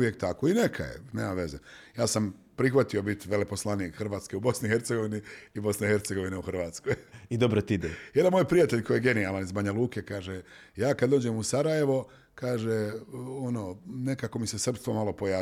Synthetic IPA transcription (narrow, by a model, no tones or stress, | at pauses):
jekt̪akoinekʰa̰jḛne̞ːmaʋe̞zejaːsampɾixʋat̪io̞bit̪ʋe̞lepo̞slˠaniːkxrʋaːt̪ske̞ubo̞snixe̞ɾt̪eɡo̞ʋiniibo̞snehe̞ɾt̪seɡo̞ʋineuxr̩ʋaːt̪skojid̪obɾot̪iid̪ejd̪anmojpɾijat̪e̞ʎkʰojeɡe̞nialanizbaɲaluːkekaːʒe | jaːkad̪d̪oːd͡ʑemusaɾaje̞ʋo̞ | kaːʒeono̞ne̞kako̞mise̞sr̩pst̪ʋo̞malˠo̞pojaː